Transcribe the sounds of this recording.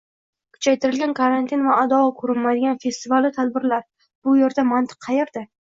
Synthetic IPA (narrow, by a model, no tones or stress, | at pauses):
kʰʊ̥t͡ʃʰajt̪ʰɪɾɪlɡʲankʰaɾant̪ʰinvaːd̪ɒɒkʰɵɾɪnmajd̪ɪɡʲanfe̞st̪ɪvalːɪt̪ʰad̪̚bɪɾlaɾ | b̥ʊjeɾd̪amant̪ʰɪ̥qʰːɑjeɾd̪ɪ